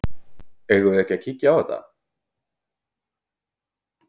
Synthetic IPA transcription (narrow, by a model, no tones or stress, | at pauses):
ɛɣʏɛhcacʰicːaat̪a̰